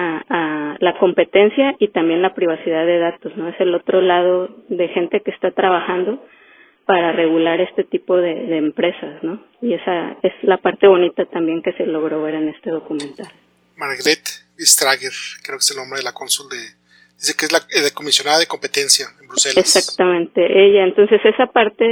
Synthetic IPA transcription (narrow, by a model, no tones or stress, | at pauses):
aalako̞mpe̞t̪e̞nsjaʔit̪ambje̞nlapɾiβ̞asiðaðe̞ðat̪o̞sno̞e̞se̞lo̞t̪ɾo̞lað̞o̞ðe̞xe̞nt̪e̞keːst̪at̪ɾaβaxand̪o̞ | paɾare̞ɣulaɾe̞st̪e̞t̪ipo̞ð̞e̞ðe̞ːmpɾe̞sasno̞ | ie̞sae̞zlapaɾt̪e̞βo̞nit̪at̪ambje̞ŋke̞se̞lo̞ɣ̞ɾo̞βe̞ɾene̞st̪e̞ð̞o̞kumẽ̞nt̪al | maɾɣɾet̪bist̪ɾaɣeɾkɾeokeselnõmbɾeðelakonsuld̪e | d̪isekeezlaeðekomisjo̞naðaðekompet̪ensjaembɾuselesakt̪amẽnt̪e̞ʔeʝaent̪o̞nse̞se̞sapaɾt̪e̞